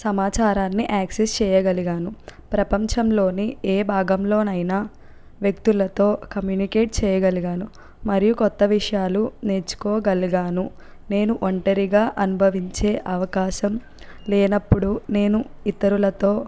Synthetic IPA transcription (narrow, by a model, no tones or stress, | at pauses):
sɐmaːt͡ʃaːɾaːnːiʔaːksest͡ʃɛːjɐɡɐliɡaːnupɾɐpɐɲt͡ʃɐmlo̞ːnieːbʱaːɡɐmlo̞ːnɐjnaː | ʋjɐkt̪ulɐt̪o̞ːkɐmjuːnike̞ːʈ̚t͡ʃɛːjɐɡɐliɡaːnu | mɐɾijukɔt̪ːɐʋiʂɐjaːlune̞ːt͡ʃːu̥koːɡɐliɡaːnu | ne̞ːnuʔoɳʈɐɾiɡaːʔɐnubʱɐʋiɲt͡ʃe̞ːʔɐʋɐkaːʃɐm | leːnɐpːuɽune̞ːnuit̪ːɐɾulɐt̪o̞ː